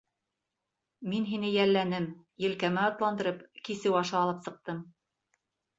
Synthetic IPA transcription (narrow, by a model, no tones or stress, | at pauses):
minɦinɘjælːænɘm | jɘ̆lkæmæɑt̪lˠɑnd̪ɤ̆ɾɤpkisɘwɑʃɑːlˠɤpsɤ̆q̚t̪ɤm